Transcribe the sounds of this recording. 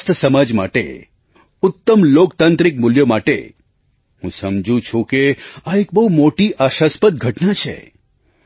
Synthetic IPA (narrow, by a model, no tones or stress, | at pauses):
st̪ʰəsəmad͡ʒma̰ʈḛ | ʊt̪ːəmlokt̪ãnt̪ɾɪk̚muljomaʈḛ | hũsəmd͡ʒũt͡ʃʰũkeaek̚bəɦumoʈiʔaʃaspət̪̚ɡʱəʈnat͡ʃʰḛ